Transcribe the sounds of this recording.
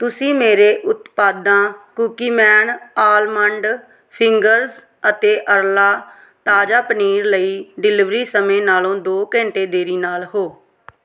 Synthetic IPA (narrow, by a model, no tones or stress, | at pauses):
t̪ʊsĩːmeːɾeːʔʊt̪paːd̪ãːkuːkiːmɛːnaːlməɳɖ | pʰɪŋɡəɾz | ət̪eːʔəɾlaː | t̪aːd͡ʒaːpəniːɾləiːɖɪlɪʋɾiːsəmẽːnaːlõːd̪oːkɛ̃ːɳʈeːd̪eːɾiːnaːlɦoː